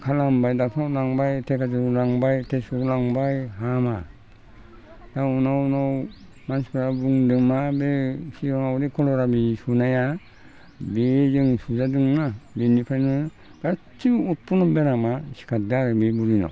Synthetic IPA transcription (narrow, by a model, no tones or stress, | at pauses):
kʰalambajdak̚sʰalaŋbajtʰekʰazɯlaŋbajtʰesulaŋbajɦama | daunawnaw | manskɯɾabuŋdɯŋmabesiɾɔmawdikʰɔlɔɾabisunaja | bezɯŋsuzadɯŋnabenipʰajnɯ | b̥a | tʰiut̚pʰunɔbeɾamasi̥kʰat̚daɾɯbibuɾina̰w